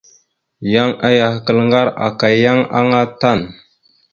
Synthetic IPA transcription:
ja˦ŋa˦ja˨hkə˦˨lŋɡa˦ɾa̰˨ka˨jja˦ŋa̰˦ŋa˦ta˦˨n

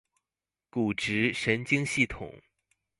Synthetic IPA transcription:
ku˨˩ʈ͡ʂɻ̩˧˥ʂə˧˥nt͡ɕi˥ŋɕi˥˩t̪ʰʊ̰˨˩˦ŋ

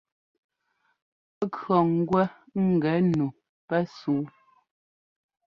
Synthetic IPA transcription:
ə˦kɰɔ˨ŋ̩˦ɡwɛ˦ | ŋ̩˦˨ɡɛ˨˦nu˨ | pɛ˦suː˨˦

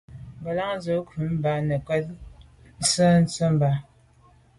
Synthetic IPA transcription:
mbə˨la˦ŋn˦zə˨˦kʰʉ˨˦m̩˦ba˦nə˨kwɛ˦t̚ | n̩˦sə˦n̩˦t͡sə˦m˦ba˨˦

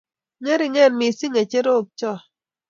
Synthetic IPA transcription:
ŋe˦ɾi˨ŋɛ˦˨nmi˨si˦ŋe˨t͡ʃe˦ɾo˦˨p̚t͡ʃɔ˦˨

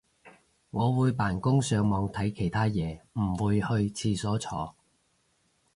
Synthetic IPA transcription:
ŋɔː˨˧wuː˨˧jpaː˨˩nkʊ˥ŋsœː˨˧ŋmɔː˨˧ŋt̪ʰɐ˨˥jkʰe˨˩jt̪ʰaː˥jɛː˨˧m̩˨˩wuː˨˧jhɵ˧ɥt͡sʰiː˧sɔː˨˥t͡sʰɔː˨˧

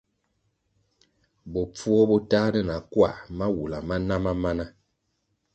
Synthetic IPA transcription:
bɔ˨p͡fu˦ɔ˦bɔ˦taː˦nɛ˦˨na˨kwa˦˨ma˦wu˨la˨ma˦na˦ma˦ma˦na˦

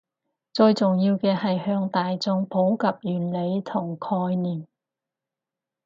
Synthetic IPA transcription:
t͡sɵ˧ɥt͡sʊ˨ŋjiː˧wkɛː˧hɐ˨jhœː˧ŋt̪aː˨jt͡sʊ˧ŋpʰo˨˥wkɐ˨p̚jyː˨˩nle˨˧jt̪ʰʊ˨˩ŋkʰɔː˧jniː˨˩m

